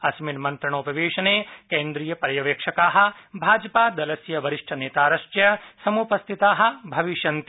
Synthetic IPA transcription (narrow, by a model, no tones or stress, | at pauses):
ɐsminmɐnt̪ɾɐɳ̃oːpɐʋeːʃɐneːkẽːnd̪ɾijɐpɐɾjɐʋeːkʂɐkaːɦɐ̆bʱaːd͡ʒɐpaːd̪ɐlɐsjɐʋɐɾiʂʈʰɐneːt̪aːɾɐʃt͡ʃjɐsɐmuːpɐst̪ʰit̪aːɦɐ̆bʱɐʋiʃɐnt̪i